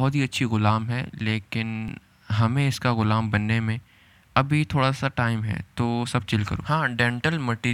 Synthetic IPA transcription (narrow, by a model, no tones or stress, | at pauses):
ɦːt̪ɦiɐtːʃʰiɣʊlaːmɦɛleːkɪn | ɦɐmẽɪskaɣʊlaːmbɐnːemẽ | ɐbʱit̪ʰoːɽasaʈaːɪmɦɛ̰t̪oːsɐb̚t͡ʃɪlkɐ̰ɾṵːɦãːɖɛ̃ːɳʈəlməʈiː